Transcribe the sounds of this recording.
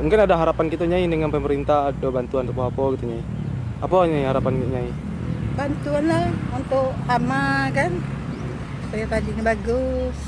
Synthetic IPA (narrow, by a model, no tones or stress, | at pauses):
muŋkɪnadaɦaɾapankit̪aɲaidəŋanpəməɾint̪adobant̪uant̪apoapɔkit̪uɲai | apɔɲaiɦaɾapanɲai | bant̪uanlaunt̪ʊkːamakan | sajapadiɲabaɡʊs